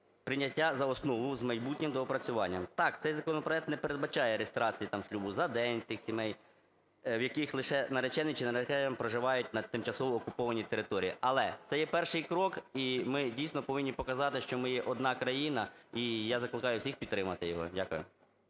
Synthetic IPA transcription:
pɾɪnʲːɐtʲːazɐɔsnɔʋʊzmɐjbutʲnʲɪmd̪ɔɔpɾɐt͡sʲʊʋɑnʲːɐmt̪ɑk̚t̪sɛjzɐkɔnɔpɾɔɛk̚t̪nɛpeɾe̞d̪̚bɐt͡ʃɑjɛɾest̪ɾɑt͡sʲijit̪ɑmʃlʲubʊzɐd̪ɛnʲt̪ɪxsʲimɛj | wjɐkɪxlˠɪʃɛnɐɾet͡ʃɛnɪt͡ʃɪnɐɾet͡ʃɛɐmpɾɔʒɪʋɑjʊtʲnɐt̪ɪmt͡ʃɐsɔʋɔːkʊpɔʋɐnʲit̪eɾɪt̪ɔɾʲijiʔɐlˠɛt̪sɛjɛpɛrʃɪjkɾɔkimɪdʲijsʲnɔpɔʋɪnʲːipɔkɐzɑt̪ɪʃt͡ʃɔmɪjɛʔɔd̪̚nɑkɾɐjinɐijazɐklˠɪkɑjʊwsʲixpʲid̪t̪ːɾɪmɐt̪ɪjɔɦɔ̰dʲakʊ̰jʊ̰

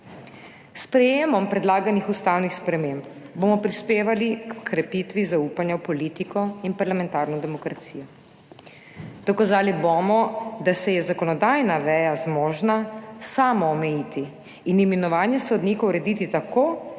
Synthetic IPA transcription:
spɾɛjeːmɔmpɾɛd̪laːɡanixust̪awnixspɾɛmemp | bomɔpɾispeːʋalikkʰɾɛpit̪ʋizauːpanjawpɔliːt̪ikɔinpaɾlamɛ̃nt̪aɾnɔd̪ɛmɔkɾat̪siːjɔ | d̪̥ɔkazaːlibomɔd̪asɛjɛzakɔnɔd̪aːjnaʋɛːjazmɔːʒnasaːmɔːmɛjiːt̪iː | nimɛnɔʋaːnjɛsɔd̪nikɔwɾɛd̪iːt̪it̪akoː

